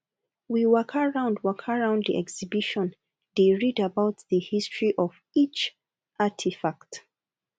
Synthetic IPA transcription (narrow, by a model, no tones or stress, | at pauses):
wiwɜkʰəɹãʊ̃ndwɜkʰəɹãʊ̃ndðiʔɛksibiʃɔ̃n | ðeɹidabaʊt̚ðəhistʰɹ̥iʔɔv | it͡ʃ | ʔatʰifak̚t